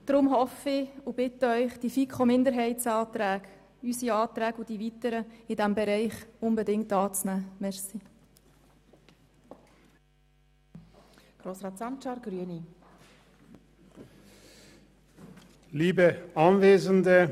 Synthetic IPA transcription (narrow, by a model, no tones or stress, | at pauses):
d̥ɾʊmɦɔfɪʊb̥ɪt̪əœʏχd̥ifikχomɪndəɾɦɛɪtsɑːt̪ɾæːɡ | ysiɑːt̪ɾæːɡʊd̥ivitəɾəɪd̥æmbɛɾɛɪχʊnbədɪŋtɑːt͡snæːmɛɾsi | ɡ̥ɾoːsɾɑːtsɑnt͡ʃɑːɾɡ̥ɾyəni | liːbəʔɑnveːzəndə